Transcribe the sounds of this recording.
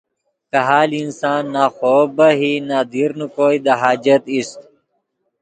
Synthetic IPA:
kɐɦaːlinsaːnːaːxoːbɐɦinaːd̪iɾnukoːid̪ɐɦaːd͡ʒɐt̪ist̪

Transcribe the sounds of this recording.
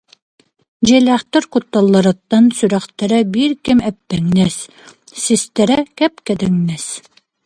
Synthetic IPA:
d͡ʑælæχt̪ɤɾkut̪ːɑlˠːɑɾɤ̆t̪ːɑnsʉɾæχt̪æɾæbiɾkɘmæpːæŋnæs | sist̪æɾækæp̚kæd̪ɘŋnæs

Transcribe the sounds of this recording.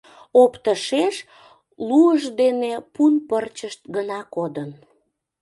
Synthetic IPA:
opt̪əʃeʃ | luəʒd̪enepunpərt͡ɕəʃt̪̚ɡənɑkod̪ən

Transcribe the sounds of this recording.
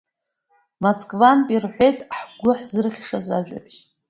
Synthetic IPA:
moskʼvanpʼirħʷejtʼħɡʷʊħzɨrχʲʂazaʒᶣʷa̰pʰʃ

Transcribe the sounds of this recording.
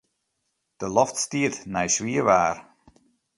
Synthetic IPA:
d̥əlɔftstiətnɛjsʋiəʋaːr

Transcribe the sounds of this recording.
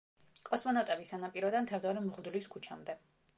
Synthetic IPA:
kʼɔsmɔnɔt̪ʼɛbisanapʼiɾɔd̪ant̪ʰɛvd̪ɔɾimʁd̪uliskʰut͡ʃʰamd̪ɛ

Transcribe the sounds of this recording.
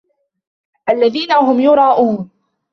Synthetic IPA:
ʔalːaðiːnaɦʊmjʊɾˤɑːʔʊːn

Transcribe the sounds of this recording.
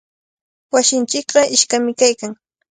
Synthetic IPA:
wasɪnt͡ʃɪkɢɑɪʃkamɪkajkaŋ

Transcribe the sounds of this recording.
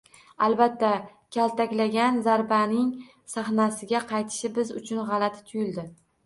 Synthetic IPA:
albat̪ːakʲʰalt̪ʰakʲlaɡʲanzaɾbanɪŋ | saχnasɪɡʲaqʰɑjt̪ʰɪ̥ʃɪbɪzʊt͡ʃʰʊnʁɑlat̪ʰt̪ʰʊjɪld̪ɪ

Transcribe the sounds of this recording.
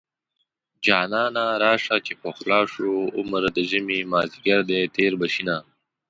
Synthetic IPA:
d͡ʒɑːnɑːnaɾɑːʂakepoxlɑːʂuʊmɾd̪əʒəmimaːziɡɐɾd̪et̪eːɾbɐʃina

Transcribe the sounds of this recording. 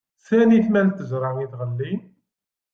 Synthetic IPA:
sæniθmælt̪ːəzɾˤɑŋiðʁəlːi

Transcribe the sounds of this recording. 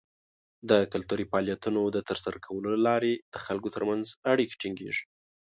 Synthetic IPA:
d̪əkʊlt̪uɾifɑljat̪unod̪ət̪əɾsaɾakʰawəlolalɑɾed̪̥əxalkot̪əɾmanzaɽikḁʈiŋɡḛʐi̥

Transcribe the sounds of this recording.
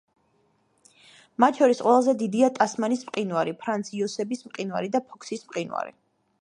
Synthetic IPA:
mat̪ʰʃʰɔɾisqʼwɛlˠazɛd̪id̪iat̪ʼasmanismqʼinwaɾipʰɾant̪sʰiɔsɛbismqʼinwa̰ɾid̪apʰɔkʰsismqʼinwa̰ɾḭ

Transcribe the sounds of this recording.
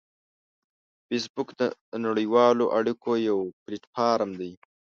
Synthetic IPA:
fes̬bʊkd̪ənaɽijwɑːloʔaɽikʰojawpɾɪʈpʰɑɾamd̪aj

